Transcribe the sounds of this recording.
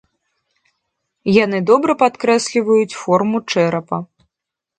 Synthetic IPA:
janɨd̪ɔbɾɐpat̪kɾɛsʲlʲivɐjut͡sʲfɔrmut͡ʂɛɾɐpɐ

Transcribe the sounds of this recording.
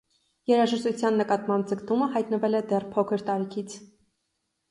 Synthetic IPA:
jɛɾɑʒəʃt̪ut͡sʰjɑnːəkɑt̪mɑmp̚d͡zəkt̪uməɦɑjt̪nəvɛlɛd̪ɛrpʰɔkʰəɾt̪ɑɾikʰit͡sʰ

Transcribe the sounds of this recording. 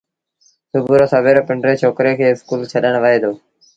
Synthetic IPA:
sʊbʱuːɾoːsəbeːɾopɪɳɖɾeːt͡ʃʰoːkɾeːkʰeːɪskuːlt͡ʃʰəɗəɳ̃ʋəɦeːd̪oː

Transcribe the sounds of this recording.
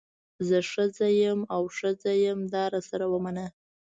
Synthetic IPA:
zəʂəzajəmawʂəzajəmd̪ɑɾɑsaɾawəmanə

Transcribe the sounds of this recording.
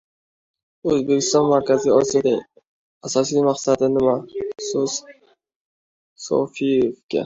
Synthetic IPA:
ɵzbe̞kʲʰɪ̥st̪ɒnmaɾkʲʰazijɒsijad̪a | asɒsijmaqsad̪ɪnɪmaso | so̰fijefkʲa̰

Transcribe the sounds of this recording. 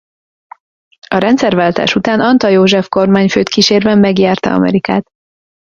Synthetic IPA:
ɒɾɛnt̪sɛrvaːlt̪a̰ːʃut̪aːnɒnt̪ɒjoːʒɛfko̞rmaːɲføːt̪kiʃeːrvɛmːɛɡjaːrt̪ɒ̰ɒ̰mɛ̰ɾika̰ːt̪

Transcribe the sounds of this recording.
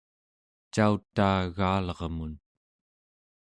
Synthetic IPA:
t͡ʃaut̪ːaːɣaːlʌʁmun

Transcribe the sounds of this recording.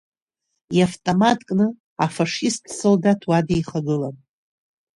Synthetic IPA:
jaftʼomatʼkʼnɨ | afaʂistʰʼsɨldatʰwadejχaɡɨlan

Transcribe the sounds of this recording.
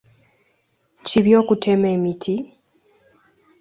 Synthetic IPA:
ciβjo̞ːkutʰe̞me̞ːmitʰi

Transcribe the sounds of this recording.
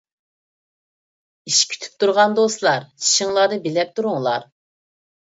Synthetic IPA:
iʃkʲʰy̥t̪ʰy̥p̚t̪ʰuɾʁɑnd̪oslˠɑɾt͡ʃʰi̥ʃiŋlˠɑɾd̪ɨbelɛp̚t̪ʰuɾuŋlˠɑ̰ɾ

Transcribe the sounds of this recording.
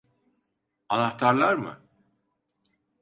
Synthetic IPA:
anaxt̪ʰaɾlˠaɾmɯ̰

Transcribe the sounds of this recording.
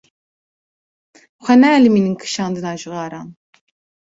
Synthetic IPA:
xʷɛnæːlimininkʰɨ̥ʃɑːnd̪ɨnɑːʒɨɣɑːɾɑːn

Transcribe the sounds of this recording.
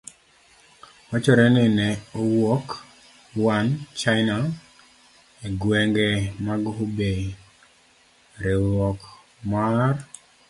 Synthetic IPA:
wat͡ʃɔɾɛnɪnɛowɔk | want͡ʃana | eɡwɛŋɡɛmaɡube | ɾewɔk | mar

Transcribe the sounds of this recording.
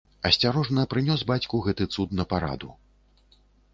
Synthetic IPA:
ɐsʲt͡sʲaɾɔʐnɐpɾɨnʲɔsbat͡sʲkuɣɛt̪ɨt̪sut̪nɐpaɾa̰d̪u

